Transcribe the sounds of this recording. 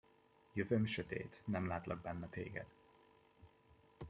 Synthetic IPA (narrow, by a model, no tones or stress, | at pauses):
jøvøːmʃøt̪ḛːt̪nɛmlaːt̪lɒ̰ɡ̚bɛnːɛt̪ḛːɡɛ̰d̪̥